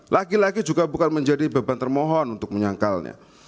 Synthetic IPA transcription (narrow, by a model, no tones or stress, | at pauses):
laɡilaɡid͡ʒuɡabukanməɲd͡ʒadibabant̪ərmɔɦɔnunt̪ʊk̚məɲaŋkalna̰